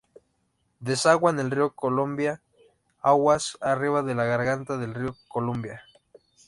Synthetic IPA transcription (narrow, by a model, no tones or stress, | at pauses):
d̪esaɣwanelriokolombja | aɣwasariβaðelaɣaɾɣant̪aðe̞lriokolombja